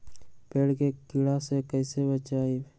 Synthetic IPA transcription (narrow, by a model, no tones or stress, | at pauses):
peːɽkekɪɽasekəɪsebət͡ʃaːi